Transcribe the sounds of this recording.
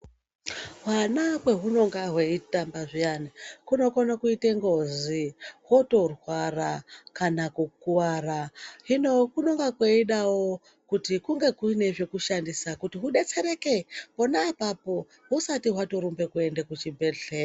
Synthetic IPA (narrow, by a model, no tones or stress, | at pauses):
ɦwanakwe̞ɦuno̞ŋɡaɦweitambaʐijanikuno̞konakuiteŋɡoziɦo̞to̞rwarakanakukuwaraɦinokuno̞ŋɡakweiɗawo | kutikuŋɡe̞kuine̞ʐe̞kuʃandisakutiɦuɗe̞t͡se̞ɾe̞ke̞po̞naːpapo̞ | ɦusatiɦwato̞ɾumbe̞kue̞ndekut͡ʃibʱeɮe